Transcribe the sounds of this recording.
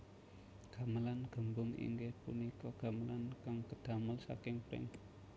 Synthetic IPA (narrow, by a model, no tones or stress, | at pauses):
ɡ̥a̤məlanɡ̥ə̤mbʊŋḭŋɡehpṵnikɔɡ̥a̤məlankaŋkəd̪̥a̤məlsa̰kɪŋpɾɪ̰ŋ